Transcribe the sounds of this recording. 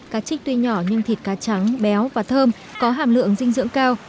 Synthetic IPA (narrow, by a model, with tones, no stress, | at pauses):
kaː˨˦˥t͡ɕï˦˥k̚t̪wi˧ɲɔ˧˩ɲɨ˧ŋt̪ʰi˨˩t̚kaː˨˦˥t͡ɕa˨˦ŋɓɛ˨˦wvaː˨˩t̪ʰəː˧m | kɔ˨˦ɦaː˨˩mlɨ̰˧˨əŋzï˧ŋ̟zɨ̰˧˥əŋkaː˧w